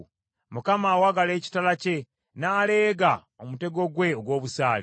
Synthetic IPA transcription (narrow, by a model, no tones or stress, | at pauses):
mukamaːwaɡale̞ːci̥talace̞ | naːle̞ːɡa | omute̞ɡo̞ɡwe̞oɡwo̞ːβusaːle